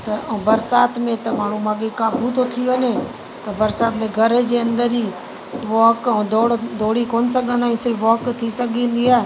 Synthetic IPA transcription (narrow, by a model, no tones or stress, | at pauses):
t̪ɐbəɾsaːt̪mẽːt̪ɐmaːɳ̤ũːmãɡekaːbʱuːt̪ot̪ʰɪjoəneː | t̪ɐbəɾsaːt̪mẽːɡʱəɾd͡ʒeːə̃nd̪əɾiː | ʋaːkːd̪oːɽd̪oːɽiːkoːnsəɡʱə̃nd̪aːĩsiʋaːkt̪ʰiːsəɡĩːnd̪iaː